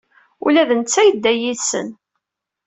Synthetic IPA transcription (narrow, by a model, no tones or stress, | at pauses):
ulæðənt͡sːæjəd̪ːæjiðsə̰n